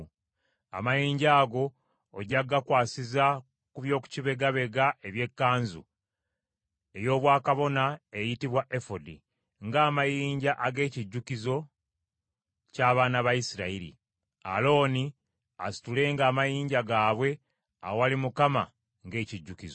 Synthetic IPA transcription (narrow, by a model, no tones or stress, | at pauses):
a̰majiːɲɟaːɡo̞ː | ɟaɡːakwaːsiza | kuβjo̞ːku̥ciβe̞ɡaβe̞ɡaʔe̞βje̞kːaːnzu | e̞jo̞ːβwaːkaβo̞naejitiβwaʔe̞fodḭ | ŋɡaːmajiiːɲɟaʔaɡe̞ːciɟːukizo̞ | caːβaːnaβajisiɾaiɾḭ | a̰lo̞ːni | asi̥tule̞ːŋɡaːmajiːɲɟaɡaːβwe̞ | aowalimukama | ŋɡe̞ːciɟːukizo